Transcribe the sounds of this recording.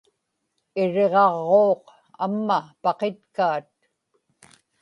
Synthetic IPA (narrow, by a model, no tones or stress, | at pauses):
ɪɻe̞ʁɑʁːoːq | a̰mːapɑqet̪kaːt̪̚